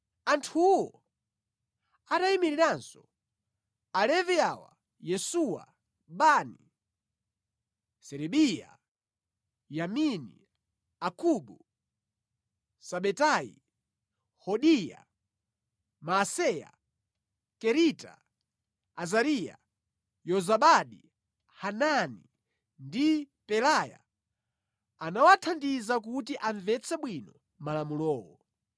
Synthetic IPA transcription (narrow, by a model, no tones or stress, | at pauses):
antʰuwɔ | atajimiɾiɾansɔ | alɛviawa̰ | jɛsuwa̰ | ɓani | sɛɾɛɓija̰ | jaminḭ | akuɓu | saɓɛtajḭ | hɔɗija̰ | masɛja̰ | kɛɾita̰ː | zaɾija̰ | jɔzaɓaɗi | hanani | ndi | pɛlaja̰ | anawatʰandizak̬ut̬iʔaɱvɛt͡sʰɛɓwinɔ | malamulɔːwɔ